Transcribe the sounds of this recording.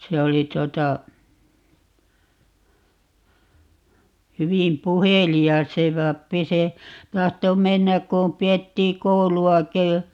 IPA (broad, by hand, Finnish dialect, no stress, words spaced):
se oli tuotɑ hyʋim puheliɑs se pɑpːi se tɑhto menːæk kum pietːiː kouluɑki